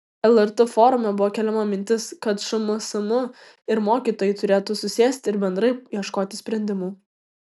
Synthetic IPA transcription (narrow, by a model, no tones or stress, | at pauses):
ɛlˠɛɾt̪ʊfoːɾʊmʲɛbʊʋoːkʲɛlʲɛmɐmʲɪnʲt̪ʲɪskɐt̪ʃɐmosɐmʊ | ɪɾmoːkʲiːt̪oːjɪt̪ʊɾʲeːt̪usʊsʲeːsʲt̪ʲɪɾbʲɛnd̪ɾɐɪjiɛʃkoːt̪ʲɪsʲpʲɾʲɛnʲd̪ʲɪmuː